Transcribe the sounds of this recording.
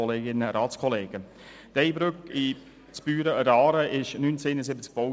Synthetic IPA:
ɔleːɡɪnəɾɑːt͡skʰɔleːɡ̥ə | d̥ɛɪbɾøki | t͡sb̥yːɾəəɾɑːɾəɪʃnyːnt͡seːnəsɪbət͡sk̚b̥o

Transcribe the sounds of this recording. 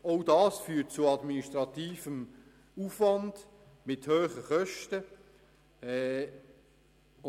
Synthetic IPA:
oʊdɑːsfyːt̚t͡sʊɑdminiʃtʁɑtiːfəm | ufvɑnd̥ | mɪthøːχəχœʃtə | ɛ | ʊ

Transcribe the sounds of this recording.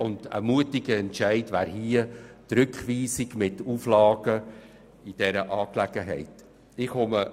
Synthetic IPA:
ʊndə̰muətɪɡəɛntʃæɪdvæːɾhiətɾʏkχʋiːsɪɡmɪtuflɑːɡ̥ə | id̥ɛɾəʔɑːklɛɡ̥əɦɛ̰ɪt | ɪχhomə

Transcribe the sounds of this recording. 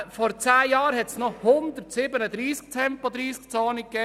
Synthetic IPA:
fɔɾt͡sæːjɑːɾhɛt̪snɔhʊnd̪əɾtsɪbənəd̪ɾiːsk̚t̪ʰɛmpɔd̪ɾiːsk̚t͡soːnəkːɛː

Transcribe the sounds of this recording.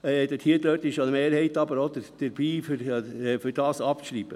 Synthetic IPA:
ɛd̪əthiətløtɪʃɑnəmeːɾhɛɪt̪ɑbəɾod̪əd̥ɛɾbiːfyɾfʏɾd̥ɑːsɑpʃɾiːbə

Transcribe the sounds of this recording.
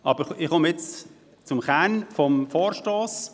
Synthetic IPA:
ʔɑb̥əɾɪχomjɛt͡s | t͡sʊmχɛnfɔmfoːɾʃtɔːs

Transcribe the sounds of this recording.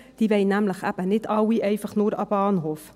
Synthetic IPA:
d̥ivɛjnæmləχæpənɛtɑːwiʔɛjfəχnoːɾɑbɑːnɦɔf

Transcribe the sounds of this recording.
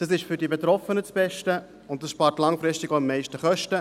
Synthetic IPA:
d̥ɑsɪʃfʏɾdibɛtɾɔfənət͡sb̥ɛʃtə | ʊnt̚dɑsʃpɑːɾtlɑŋfɾɪʃtiɡoɪmːɛɪʃtəχœʃtə

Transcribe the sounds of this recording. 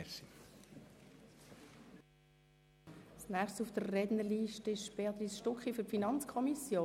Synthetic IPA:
si | snɛːχstsufd̥ərːɛdnəliːʃtəɪʃb̥eɑt̪ɾisʃtɔkχiføɾpfinɑnt͡skʰɔmisjoː

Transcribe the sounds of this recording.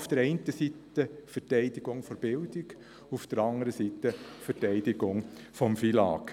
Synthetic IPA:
ufd̥əɾɛɪntəsitːəfɛɾtɛɪdɪɡ̥ʊŋfɔɾb̥ɪld̪ɪɡ | ufd̥əɾɑndəɾəsit̪ːəfətɛɪd̥ɪɡʊŋ | fɔmfilɑ̰ːk

